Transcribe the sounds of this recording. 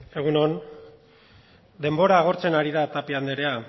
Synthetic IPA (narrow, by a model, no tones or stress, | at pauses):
e̞ɣ̞unon | d̪e̞mbo̞ɾaːɣ̞o̞ɾt͡se̞naɾiðat̪apiand̪eɾe̞a